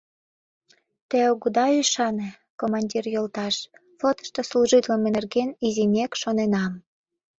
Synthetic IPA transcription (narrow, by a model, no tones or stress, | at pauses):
t̪eoɣud̪ɑyʃɑne | komɑnʲdʲirjolt̪ɑʃ | fot̪ə̥ʃt̪osluʒit̪ləmenerɣenizimʲekʃonenɑm